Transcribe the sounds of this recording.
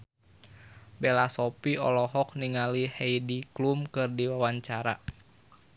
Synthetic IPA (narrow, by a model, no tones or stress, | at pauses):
belasɔpiɔlɔɦɔk̚niŋaliheijdiklumkɨrdiwawaɲt͡ʃaɾa̰